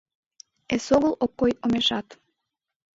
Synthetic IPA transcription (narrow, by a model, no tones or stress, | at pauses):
esoɣəlokːojomeʃɑt̪